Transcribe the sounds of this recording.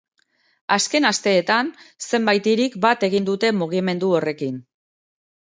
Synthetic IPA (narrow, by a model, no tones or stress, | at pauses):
aske̞nast̪e̞ːt̪anse̞mbajt̪iɾikbat̪e̞ɣ̞ind̪ut̪e̞muɣ̞ime̞nd̪uo̞re̞kin